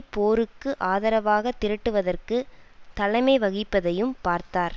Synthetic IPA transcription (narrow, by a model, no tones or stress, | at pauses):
poːɾɯkːɯʔaːðɐɾɐʋaːɣɐt̪ːɪɾɪʈːɯʋɐðɐrkɯt̪ɐlɐɪmɐɪʋɐɣɪpːɐðɐjɯmpaːɾt̪aːɾ